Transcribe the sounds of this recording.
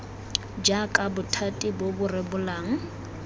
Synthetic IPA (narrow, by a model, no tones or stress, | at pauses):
d͡ʒakʼabʊtʰatʼibobʊrɪbʊlaːŋ̩